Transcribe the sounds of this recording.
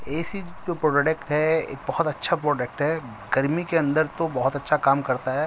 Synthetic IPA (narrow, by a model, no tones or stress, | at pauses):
eːsid͡ʒoːpɾoːɖɖekʈɦɛḛːk̚bɐɦʊt̪ɐtːʃʰapɾoːɖek̚ʈɦɛː | ɡɐɾmikeɐ̃nd̪əɾt̪obɐɦʊt̪ɐtːʃʰakaːmkɐɾt̪aɦɛː